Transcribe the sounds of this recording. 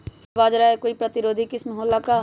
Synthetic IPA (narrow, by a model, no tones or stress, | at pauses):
baːd͡ʒɾaekoːipɾɐt̪ɪɾoːd̪ʱikɪsmɐɦoːlːaka